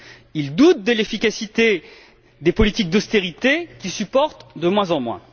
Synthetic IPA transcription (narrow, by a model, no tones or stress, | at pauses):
ild̪ut̪̚d̪əlefikʲasit̪e | d̪epɔlit̪ik̚d̪ɔst̪eʁit̪ekʲisypɔʁt̪d̪əmwɛ̃zɑ̃mwɛ̰̃